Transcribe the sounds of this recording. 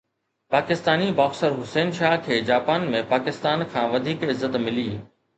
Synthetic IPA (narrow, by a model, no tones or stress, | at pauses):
paːkɪst̪aːnibaːxsəɾɦʊsɛːnʃaːɦkʰeːd͡ʑaːpaːnmẽpaːkɪst̪aːnkʰãːʋɐd̪ʱiːkɪzːət̪mɪliː